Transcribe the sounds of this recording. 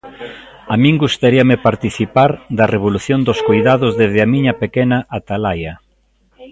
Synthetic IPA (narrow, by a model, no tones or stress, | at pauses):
amĩŋɡust̪aɾiɐmɪpaɾt̪iθipaɾd̪ɐreβ̞oluθjond̪oskojðaðʊzðezðɪamĩɲɐpekɛnɐʔːt̪alajɐ